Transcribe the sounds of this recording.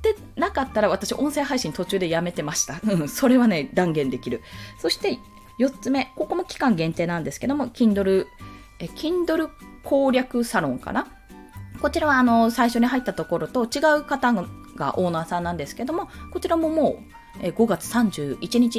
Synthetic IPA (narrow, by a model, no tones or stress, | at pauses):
d̪̥e̞ | nakat̪ːaɾaβ̞at̪aɕiβa̰ʔõ̞ɰ̃sẽ̞ɦaiɕĩnt̪o̞t͡ɕɨːd̪e̞jame̞t̪e̞maɕi̥t̪aɯ̟̃so̞ɾe̞β̞ane̞d̪ãŋɡẽ̞nd̪e̞kʲiɾɯ̟so̞ɕi̥t̪e̞ | jo̞t͡sɨme̞ko̞ko̞mo̞kʲi̥kãŋɡẽ̞nt̪e̞ːnãnd̪e̞sɨ̥ke̞d̪o̞mo̞kʲĩnd̪o̞ɾɯ̟ | ekʲʰĩnd̪o̞ɾɯ̟kʰo̞ːɾʲakɯ̟saɾõ̞ŋka̰na | ko̞t͡ɕiɾaβaːno̞saiɕo̞ɲ̟iɦait̪ːat̪o̞ko̞ɾo̞t̪o̞t͡ɕiɡaɯ̟kat̪a | ɡa̰ʔo̞ːnaːsãnːãnd̪e̞sɨ̥ke̞d̪o̞mo̞ko̞t͡ɕiɾamo̞mo̞ː | eːɡo̞ɡat͡sɨ̥sãɲ̟d͡ʑɨːit͡ɕiɲ̟it͡ɕi